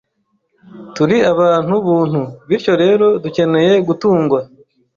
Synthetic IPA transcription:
tuɾiaβaːn̥huβuːn̥huβiɾco̞ɾe̞ːɾo̞duce̞ne̞je̞ɡutuːŋɡwa

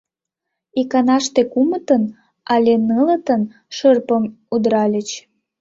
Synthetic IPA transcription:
ikɑnɑʃt̪ekumət̪ən | ɑlʲenələt̪ən | ʃərpəm | ud̪ɾɑlʲət͡ɕ

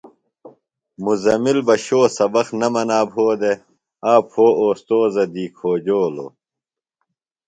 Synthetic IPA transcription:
muzɐmilbɐɕoːsɐbɐxnɐmɐnaːbɦoːd̪e | aːphoːoːst̪oːzɐd̪iːkʰoːd͡ʑoːlo̰ː

